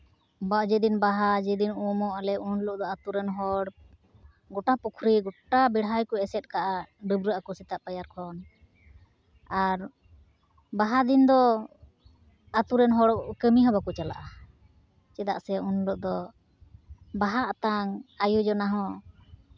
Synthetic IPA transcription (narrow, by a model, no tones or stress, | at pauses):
bad͡ʒɛd̪inbaɦad͡ʒɛd̪inumɔʔalɛunlɔʔd̪ɔat̪uɾɛnɦɔɽ | ɡɔʈapukʰɾiɡɔʈabɛɽɦajkɔɛsɛt̪̚ˀkaʔaɖəbɾəʔakɔsit̪aʔpajaɾkʰɔn | aɾ | baɦad̪ind̪ɔ | at̪uɾɛnɦɔɽɔkəmiɦɔbakut͡ʃala̰ʔa | t͡ʃɛd̪a̰ʔsɛunlɔʔ̚d̪ɔ | baɦaʔt̪aŋajud͡ʒɔnaɦɔ̃